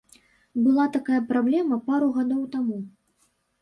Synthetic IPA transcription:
bɨlˠat̪akajɐpɾablʲɛmɐpaɾuɣad̪ɔwt̪amu

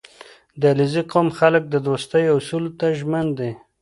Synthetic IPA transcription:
d̪əlɪziqomxalək̚d̪əd̪ost̪əjʊsult̪aʒmənd̪e

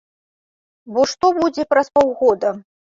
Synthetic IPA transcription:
bɔʂt̪ɔbud͡zʲɛpɾɐspɔwɣɔd̪ɐ

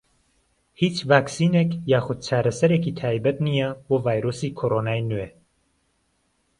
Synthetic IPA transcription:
hit͡ʃvaːksiːnekjaːxʊd̪̚t͡ʃʰaːɾɐsɐɾeːkiːt̪ʰaːjbɐt̪̚nijɛboːvaːjɾoːsiːkʰoːɾoːnaːjnuwe

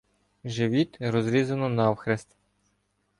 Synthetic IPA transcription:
ʒeʋʲit̪ɾɔzɾʲizɐnɔnɑwxɾʲest̪

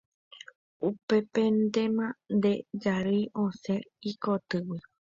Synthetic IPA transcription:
upe̞pẽnd̪emãnd̪ed͡ʒaɾiʔõseikot̪ɨwi

